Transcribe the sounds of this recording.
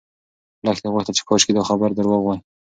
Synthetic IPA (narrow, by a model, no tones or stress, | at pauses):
laxt̪eɣaxt̪at͡ʃɪ̥kʰɔʃked̪ɑxabaɾd̪əɾwɔɣwaj